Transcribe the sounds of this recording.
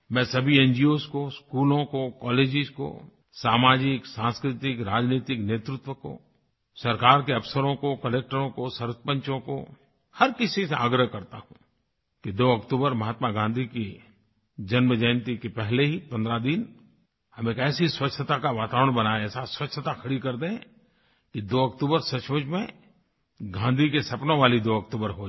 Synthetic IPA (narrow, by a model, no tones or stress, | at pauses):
mɛ̃ːsɐbʱiẽːnd͡ʒioːskoskuːlõkokɔːleːd͡ʒɪzko̰ | saːmaːd͡ʒɪksãːnskɾɪt̪ɪkɾaːd͡ʒniːt̪ɪkneːt̪ɾʊt̪wəko̰ | sɐɾkaːɾkeɐpsəɾõkokɐleːk̚ʈəɾõkosɐɾspə̃ɲt͡ʃõko̰ | hɐɾkɪsisea̰ːɡɾəɦkɐɾt̪aɦũ | kid̪oːɐkt̪uːbəɾmɐɦaːt̪maɡãːnd̪ʱiki | d͡ʒɐnməd͡ʒəːnt̪ikepɛɦleɦipɐ̃nd̪ɾad̪in | hɐmeːkɛːsiswɐt͡ʃʰːət̪akaʋaːt̪aːɾəɽ̃bɐnaɛːsaswɐt͡ʃʰːət̪akʰɐɽikɐɾd̪ẽ | kid̪oːɐkt̪uːbəɾsɐt͡ʃmət͡ʃmẽ | ɡʱãːnd̪ʱikesɐpnõʋaːlid̪oːɐk̚t̪uːbəɾɦo